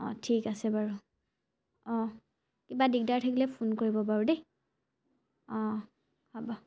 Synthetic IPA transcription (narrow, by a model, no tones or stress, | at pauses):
ɔ̰tʰikasɛbaɹu | ɔ̃ | kibadik̚daɹtʰakilɛpʰonkoɹibɔp̬aɹude | ɔ̃ | habɔ